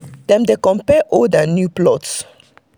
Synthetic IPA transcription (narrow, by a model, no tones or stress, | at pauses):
d̥ɛ̃mdekɔ̃mpɛʔɔdənjuplɔts